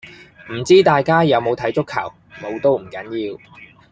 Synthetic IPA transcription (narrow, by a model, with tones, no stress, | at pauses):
m̩˨˩t͡siː˥t̪aː˨jkaː˥jɐ˨˧wmo˨˧wt̪ʰɐ˨˥jt͡sʊ˥kʰːɐ̰˨˩w | mo˨˧wt̪o˥wm̩˨˩kɐ˨˥njiː˨˧w